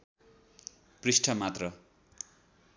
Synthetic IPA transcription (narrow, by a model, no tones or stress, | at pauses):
prisʈʰʌmat̪rʌ